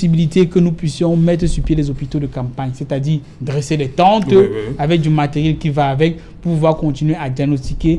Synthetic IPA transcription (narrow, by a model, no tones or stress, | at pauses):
sibilit̪ekənupɥisjɔ̃mɛt̪χəsyʁpjelɛzopit̪od̪əkãpaɲset̪ad̪iʁ | d̪ʁeselɛt̪ɑ̃t̪avɛk̚d̪ymat̪eʁjɛlkʲivaːvɛk̚ | pupuvwaʁkɔ̃t̪inɥead̪jaɡnost̪ike